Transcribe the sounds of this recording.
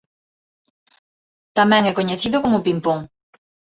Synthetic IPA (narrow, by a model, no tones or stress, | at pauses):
t̪amɛ̃ŋɛkoɲeθiðʊkomʊpimpoŋ